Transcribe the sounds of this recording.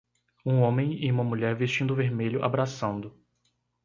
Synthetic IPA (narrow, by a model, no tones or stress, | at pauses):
ũõmẽj̃ɪũmɐmuʎɛɾvest͡ʃĩnd̪ʊveɾmeʎʊʔa̰bɾasɐ̃nd̪ʊ